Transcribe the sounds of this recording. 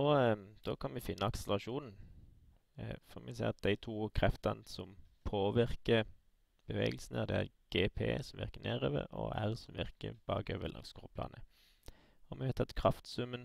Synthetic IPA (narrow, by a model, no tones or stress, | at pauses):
ɔd̪̥oːkʰɑnmɪfɪnːəɑksəlʁɑʃuːnn̩ | fɔʁmɪsɛːʁɑt̪̚d̪æɪt̪ʰuːkʰʁɛft̪ɑnsɔmpʰoːʋɪʁkə | b̥əʋeːɡəl̩sn̩əd̪ɛæɾɡ̥eːpʰeːsɔmʋɪʁkənæːʁøːʋə̰ɾɔæʁsɔmʋɪʁkəb̥ɑːɡøːʋəlʔɑ̰ŋskuːpʰlɑ̰ːnʔə | ɔmɪhɑt̪ʰɑt̪kʰʁɑft̪sʉmːən